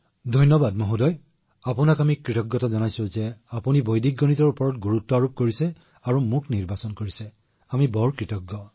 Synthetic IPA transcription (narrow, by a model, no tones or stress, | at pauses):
dʱɔjnɔbadmɔɦudɔj | apunakamikɹitɔɡːɔtɔzɔnajsõzɛapunibojdʱik̚ɡɔnitɔɹupɔɹɔt̚ɡuɹutːɔaɹup̚koɹisɛ | aɹumukniɹbasɔnkoɹisɛ | amibɔɹkɹitɔɡːɔ